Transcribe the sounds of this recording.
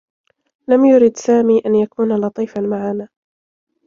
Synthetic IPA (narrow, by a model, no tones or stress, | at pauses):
lamjʊɾɪd̪saːmiːʔanjakuːnalɑt̪ˤiːfanmaʕanaː